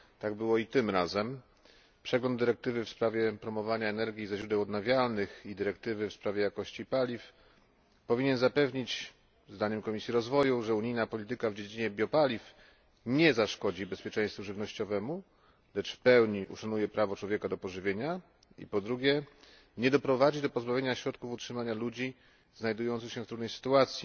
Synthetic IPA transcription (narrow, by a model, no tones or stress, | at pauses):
t̪aɡbɘwɔit̪ɘmɾazɛm | pʂɛɡlɔnd̪ːɘɾɛk̚t̪ɘvɘfspɾavʲjɛpɾɔmɔvaɲaɛnɛɾɡʲizaɕɾud̪ɛwɔd̪navʲjalnɘxid̪ɘɾɛk̚t̪ɘvɘfspɾavʲjɛjakɔɕt͡ɕipalʲif | pɔvʲiɲɛnzapɛvɲit͡ɕ | zd̪aɲɛmkɔmʲisʲjiɾɔzvɔjuʐɛuɲijnapɔlʲit̪ɘkavd͡ʑed͡ʑiɲɛbʲjɔpalʲif | ɲɛzaʂkɔd͡ʑibɛspʲjɛt͡ʂɛ̃j̃st̪fuʐɘvnɔɕt͡ɕɔvɛmu | lɛt͡ʂfpɛwɲiʔṵʂanujɛpɾavɔt͡ʂwɔvʲjɛkad̪ɔpɔʐɘvʲjeɲa | ḭpɔd̪ɾuɡʲjɛ | ɲɛd̪ɔpɾɔvad͡ʑid̪ɔpɔzbavʲeɲaɕɾɔt̪kufutʂɘmaɲalud͡ʑi | znajd̪ujɔnt̪sɘxɕɛft̪ɾud̪njsɘ̥t̪uat̪sʲji